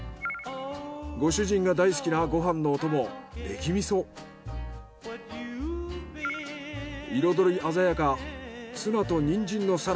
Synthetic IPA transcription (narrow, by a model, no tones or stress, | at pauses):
ɡo̞ɕɨʑĩŋɡad̪ais̬ɨ̥kʲinaɡo̞ɦãnːo̞ːt̪o̞mo̞d̪e̞̰kʲimʲiso̞ː | iɾo̞d̪o̞ɾiʔazajakasɨnat̪o̞ɲ̟ĩɲd͡ʑĩnːo̞saɾ